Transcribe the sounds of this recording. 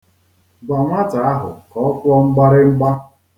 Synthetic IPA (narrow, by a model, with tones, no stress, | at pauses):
ɡ͡ba˨ŋʷa˦ta˨a˦ɦʊ̰˨kɔ˨˦ɔ˦kʷʊ˦ɔ˦ŋ͡m̩˦ɡ͡ba˦ɾɪ˦ŋ͡m̩˦ɡ͡ba˦